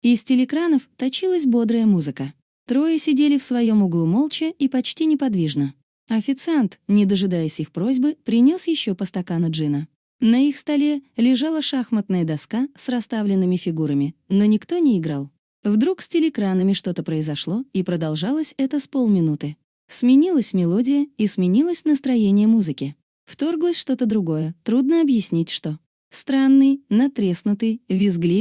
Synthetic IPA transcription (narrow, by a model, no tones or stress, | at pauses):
ɪsʲtʲɪlʲɪkɾanəft̪ɐt͡ɕilˠəsʲbo̞d̪ɾəjəmuzɨkə | t̪ɾo̞jəsʲɪdʲelʲɪfsvɐjo̞mʊɡlˠumo̞lˠt͡ɕɪipɐt͡ɕtʲinʲɪpɐd̪vʲiʐnə | ɐfʲɪt̪sɨant̪nʲɪd̪əʐɨd̪ajɪsʲixpɾo̞zʲbɨpɾʲɪnʲo̞sjɪɕːopəst̪ɐkanʊʐɨnə | nəixst̪ɐlʲe̞lʲɪʐalˠəʂaxmət̪nəjəd̪ɐskasrɐst̪avlʲɪnːɨmʲɪfʲɪɡuɾəmʲɪno̞nʲɪkt̪o̞nʲɪːɡɾalˠ | vd̪ɾuksʲtʲɪlʲɪkɾanəmʲɪʂt̪o̞t̪əpɾəɪzɐʂlˠo̞ipɾəd̪ɐlˠʐalˠəsʲɛt̪əspolˠmʲɪnut̪ɨ | smʲɪnʲilˠəsʲmʲɪlˠo̞dʲɪjəismʲɪnʲilˠəsʲnəst̪ɾɐjenʲɪjəmuzɨkʲɪ | ft̪o̞rɡlˠəsʲʂt̪o̞t̪əd̪ɾʊɡo̞jət̪ɾud̪nəɐbjɪsʲnʲitʲʂt̪o̞ | st̪ɾanːɨjnɐt̪ɾʲesnʊt̪ɨjvʲɪzɡlʲi